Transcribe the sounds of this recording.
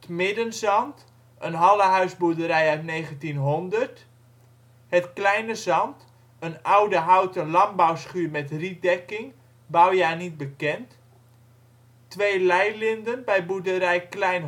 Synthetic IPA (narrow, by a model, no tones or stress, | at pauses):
ətmɪdənzɑnt | ənɦɑləɦœɥzbudəɾɛjœɥtneːɣəntinɦondərt | hətklɛjnəzɑnt | ənawdəɦawtəlɑmbawsχyːmɛtridɛkɪŋ | bawjaːnit̚bəkɛnt | tʋeːlɛjlɪndənbɛjbudəɾɛjklɛjn